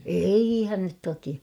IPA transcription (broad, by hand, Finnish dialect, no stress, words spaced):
eihæn nyt toki